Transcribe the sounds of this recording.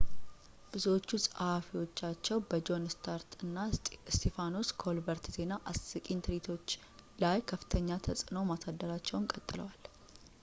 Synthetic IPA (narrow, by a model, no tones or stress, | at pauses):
b̥ɨzuwot͡ʃːusʼhafiwo̞t͡ʃːat͡ʃːɛwbəd͡ʒo̞nst̪ʰaɾt̪ʰɨnːast̪ʰefanoskʰo̞lbəɾt̪z̥e̞naʔasɨkʼint̪ʰɾit̪ʰo̞t͡ʃː | lajkʰəfɨ̥t̪ʰəɲːat̪ʰəsʼɨno̞masad̪ːəɾat͡ʃːɛwnkʼət̪ʼːɨlə̰wal